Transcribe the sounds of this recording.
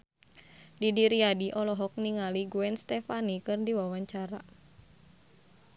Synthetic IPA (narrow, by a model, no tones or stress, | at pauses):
didiɾiadiʔɔlɔɦɔk̚niŋaliɡuɛnst̪ɛfanikɨrdiwawaɲt͡ʃaɾa